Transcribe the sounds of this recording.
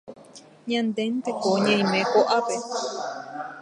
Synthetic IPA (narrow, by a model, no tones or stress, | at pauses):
ɲãnd̪ent̪ekoɲãj̃mẽkoʔape